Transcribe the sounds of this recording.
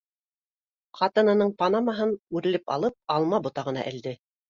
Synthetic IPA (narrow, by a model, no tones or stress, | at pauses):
qɑt̪ɤ̆nɤ̆nɤɴpɑnɑmɑɦɤnʉɾɘ̆lɘpɑ̰lˠɤp̚ɑlˠmɑbŏt̪ɑʁɤ̆nɑ̰ʔɘ̆ld̪ɘ